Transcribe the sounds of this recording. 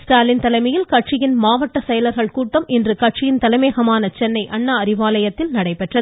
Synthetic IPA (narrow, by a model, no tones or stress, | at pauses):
sʈaːlɪnt̪ɐlɐɪmɐjɪlkɐʈ̚t͡ʃɪjɪnmaːʋɐʈːɐsɛjɐlɐɾɣɐɭkuːʈːɐmʔɛndrɯkɐʈ̚t͡ʃɪjɪnt̪ɐlɐmeːɣɐmaːnɐt͡ʃɛnːɐɪʔɐɳːɐɐɾɪʋaːlɐjɐt̪ːɪlnɐɽɐɪpɛʈrɐð